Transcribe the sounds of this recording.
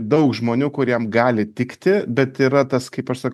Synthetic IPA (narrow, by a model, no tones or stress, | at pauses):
d̪ɐʊkʒmoːnʲuːkʊɾʲiɛmɡɑːlʲɪt̪ʲɪkt̪ʲɪbʲɛt̪iːɾɐt̪ɐskɐɪpɐʃsɐk